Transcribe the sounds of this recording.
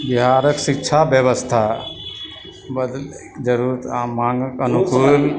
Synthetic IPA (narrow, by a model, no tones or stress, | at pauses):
biɦaɾəksikt͡ʃʰabjəβəst̪ʰa | bəd̪l | kd͡ʒəɾuɾət̪amãŋɡəkənukul